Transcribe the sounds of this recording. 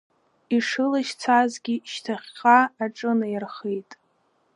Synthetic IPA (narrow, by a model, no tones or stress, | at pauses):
iʂɨlaʃt͡sʰazɡʲiʃtʰaχʲqaaʈ͡ʂʼɨnajarχejtʼ